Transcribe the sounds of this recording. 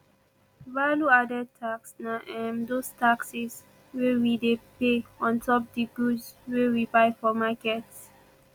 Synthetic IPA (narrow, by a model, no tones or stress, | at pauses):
valuadətʰaksnaʔɛ̃mdostaksis | wewidepeɔ̃ntʰɔp̚diɡudsweɹipaɪfɔmakɛts